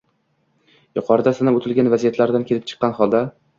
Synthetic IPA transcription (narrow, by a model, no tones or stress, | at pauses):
jʊqʰɒɾɪd̪asɪnapot̪ʰɪlɡʲanvazijat̪laɾd̪ankʲʰe̞lɪp̚t͡ʃʰɨ̥qːɑnχɒlˠd̪a